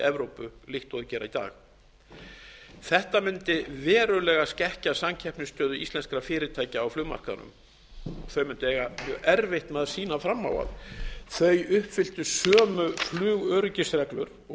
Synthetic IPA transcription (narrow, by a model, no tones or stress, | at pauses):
ɛvɾowpʏlɪxt̪ɔðʏcɛːɾa̰it̪a̰ːx | θɛht̪amɪnt̪ɪvɛːɾʏlɛːɣascɛhcasamcʰɛhpnʏst̪œːðʏḭst̪lɛnskɾafɪːɾɪt̪ʰaːjcaːwflʏːma̰r̥kaðnʏ̰m | ɔθœɥmɪnt̪ɛːɣamœɛɾvɪht̪mɛðsiːnafɾamːa̰ːwa̰ðθœɥjʏhpfɪl̥t̪ʏsœːmʏflʏːɣœːɾʏcɪsrɛklʏ̰ɾ